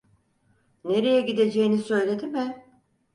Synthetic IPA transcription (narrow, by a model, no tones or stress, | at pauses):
ne̞ɾe̞jɛɟid̪e̞d͡ʒe̞jinisø̞jlʲe̞d̪imɪ